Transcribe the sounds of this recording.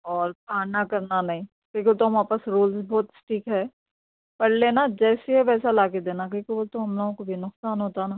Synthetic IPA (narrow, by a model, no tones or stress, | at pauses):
ɔːɾpaːnakɐɾnanɐɦĩ | kjõkiot̪oɦɐmaːpəsɾoːlsbɔːt̪sʈiːkɦɛː | pɐɽleːnad͡ʒɛːseɦɛʋɛːsalaːked̪eːnak̬õːkiʋot̪oɦɐmloːɡõkobʱinʊksaːnɦoːt̪aɦɛnaː